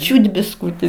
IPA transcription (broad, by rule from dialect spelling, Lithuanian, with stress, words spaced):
ˈt͡ʃʲuːt bʲɪsˈkuːtʲɪ